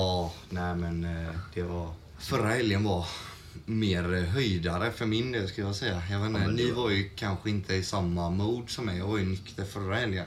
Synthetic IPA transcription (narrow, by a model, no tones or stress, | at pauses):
ɑː | næːmɛnd̪̥ɛvaɾ | fœɾːahɛljənvaɾ | meːɾɦœjd̪aɾəfœɾmɪnd̪eːlskɵljɑsɛjːajɑveːnːənɪvaɾjɵkʰanɧəɪnt̪ʰəɪsamːamuːd̪sɔmːɛjɑːɡvaɾjɵnʏkt̪ʰəɾfœɾːahɛljən